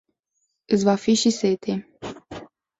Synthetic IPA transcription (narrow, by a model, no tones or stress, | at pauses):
ɨt͡svafiʃiset̪ʰe